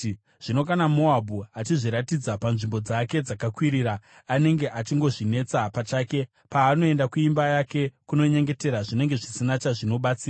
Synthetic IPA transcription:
ʐ̥ino̞kanamo̞abʱuat͡ʃiʐiɾatid͡zapanʐimbo̞d͡zake̞d͡zakakwiɾiːɾaː | ne̞ŋɡe̞ʔat͡ʃiŋɡo̞ʐine̞t͡sapat͡ʃaːke̞ | paːno̞e̞ndakuimbajake̞kuno̞ɲe̞ŋɡe̞te̞ɾaʐine̞ŋɡe̞ʐisinat͡ʃaʐino̞ɓat͡siːra

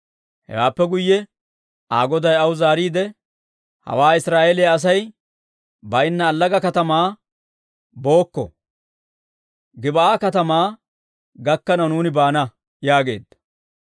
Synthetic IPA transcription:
hɛ̰waːpːɛɡʊjːɛ | ʔaːɡɔd̪ɐjɐwzaːɾiːd̪ɛ | hɐ̰waːɪsɾaːʔelɪjɐːs̬ɐj | bɐɪnːɐːlːɐɡɐkɐt̪ɐmaː | bo̞ːkːɔ̰ | ɡɪbɐaːkɐt̪ɐmaː | ɡɐkːɐnɐwnuːnɪbaːnɐ | jaːɡe̞̰ːd̪ːɐ

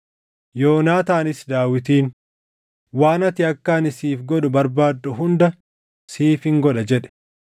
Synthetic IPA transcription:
jo̞ːnaːt̪aːnɪsd̪aːwɪt̪iːn | waːnɐt̪ɪɐkːaːnɪsiːfɡɔᶑ̪ʊbɐɾbaːd̪ːʊɦʊnd̪ɐ | siːfɪŋɡɔᶑɐd͡ʒɛᶑɛ̥

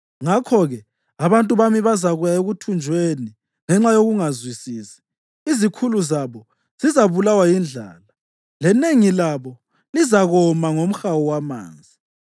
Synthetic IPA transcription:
ŋakʰɔɣɛ | aβantʼuβamiβazaɣujaeɣutʰund͡ʒʱweni | ŋɛŋ͡ǁajoɣuŋazwisiːsi̥ | izikʰuluzaβɔ | z̥izaβulawajind͡ɮʱa̰ːla | lɛneŋilaβɔ | lizaɣɔmaŋom̩xawɔwama̰ːnd͡zʱi

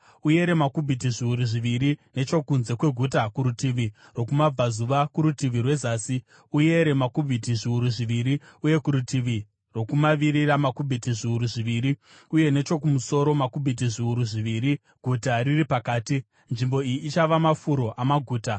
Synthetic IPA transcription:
uje̞ɾe̞makubʱitiʐiuɾuʐiʋiɾine̞t͡ʃo̞kunze̞kwe̞ɡʱutakuɾutiʋi | ro̞kumab͡vazuʋakuɾutiʋirwe̞zaːsi | uje̞ɾe̞makubʱitiʐiuɾuʐiʋiɾiuje̞kuɾutiʋi | ro̞kumaʋiɾiramakubʱitiʐiuɾuʐiʋiːɾi | uje̞ne̞t͡ʃo̞k̬umuso̞ɾo̞makubʱit̬iʐiuɾuʐiʋiɾi | ɡ̥ʱutariripakaːti | nʐimbo̞ijiːt͡ʃaʋamafuɾo̞ʔamaɡʱuːta

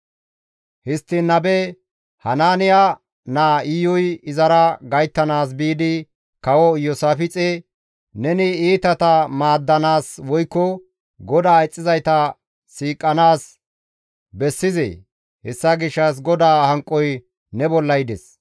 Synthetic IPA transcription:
hɪst̪ːɪnːɐbɛ | hɐnaːnɪja | naːɪjɔjɪzɐɾɐɡɐjt̪ːɐnaːs̬biːd̪ɪ | kɐwɔjɔsaːfɪt͡sʼɛ | nɛnɪiːt̪ɐt̪ɐmaːd̪ːɐnaːswɔjkːɔ | ɡɔd̪aːɛt͡sʼːɪzɐjt̪ɐ | siːkʼːɐnaːs | bɛsːɪzɛ̰ | hɛsːɐɡɪʃːɐs̬ɡɔd̪aːhɐŋkʼːɔj | nɛbɔlːɐjd̪ɛs

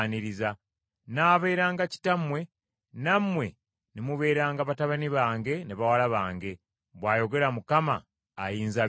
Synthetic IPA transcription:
niɾiza | naːβe̞ɾaːŋɡaci̥tamwe̞ | namwe̞ | nimuβe̞ːɾaːŋɡaβataβaniβaːŋɡe̞niβawalaβaːŋɡe̞ | βwaːjo̞ɡe̞ɾamukama̰ː | jiːnza

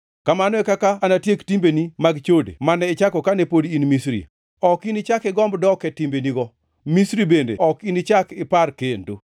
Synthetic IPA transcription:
kamanɔɛkakaːnatjektimbenimaɡt͡ʃodḛmanɛɪt͡ʃakɔkanepodiinmisɾḭ | ɔkinɪt͡ʃakɪɡɔmbdɔkɛtimbeniɡɔ | misɾibendḛɔkinɪt͡ʃakɪparkendo

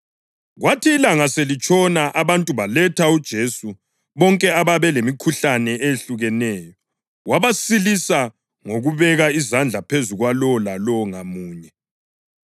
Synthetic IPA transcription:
ɣwatʰiːlaŋaselit͡ʃʼʰɔnaʔaβantʼuβalɛtʰaud̥ʒ̥ʱesu | βɔŋkʼɛaβaβɛlemikʰuɬanɛeeɬuɣɛnɛːjɔ | waβasilisa | ŋoɣuβɛɣaizand͡ɮʱapʰezuɣwalɔlalɔŋamuːɲɛ

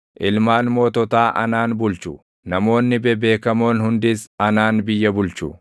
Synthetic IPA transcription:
ʔɪlmaːnmo̞ːt̪ɔt̪aːʔɐ̰naːnbʊlt͡ʃʊ | nɐmo̞ːnːɪbɛbe̞ːkɐmo̞ːnhʊnd̪ɪsɐnaːnbɪjːɐbʊlt͡ʃu

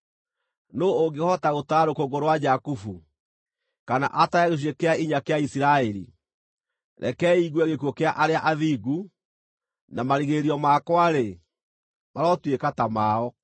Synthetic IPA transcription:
noːɡehɔtaɣotaːɾokoɡoɾowad͡ʒakufu | kana̰ʔataɛɣeɕ̬wekeaiɲakeaisiɾaɛɾḭ | ɾʔɛ̰kɛiɣwɛɣekwɔkeaʔaɾeaʔaðiːɡu | namaɾiɣeɾiɔmaːkwaɾe | maɾɔtwekatamaːɔ

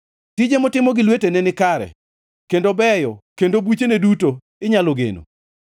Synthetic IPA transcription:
tid͡ʒemɔtɪmɔɡɪlwetenɛnɪkaɾɛ̰ | kendobɛjɔkendobut͡ʃeneduto | ɪɲaloɡḛno̰

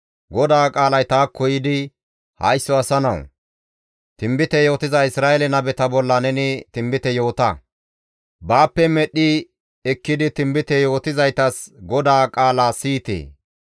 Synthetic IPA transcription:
ɡɔd̪aːkʼaːlɐjt̪aːkʰːɔjɪd̪ɪ | hɐjsːɔɐsɐnɐ̰w | t̪ɪmbɪt̪ɛjo̞ːt̪ɪzɐɪsɾaːʔɛlɛnɐbɛt̪ɐbɔlːɐnɛnɪt̪ɪmbɪt̪ɛjo̞ːt̪ɐ̰ | baːpːɛmɛɗɪ | ɛkːɪd̪ɪt̪ɪmbɪt̪ɛjo̞ːt̪ɪzɐjt̪ɐsɡɔd̪aːkʼaːlaːsiːt̪ḛː

